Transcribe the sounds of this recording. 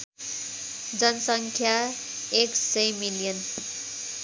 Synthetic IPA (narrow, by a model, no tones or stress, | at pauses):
d͡zʌnʌsʌŋkʰja | eksejmilijʌn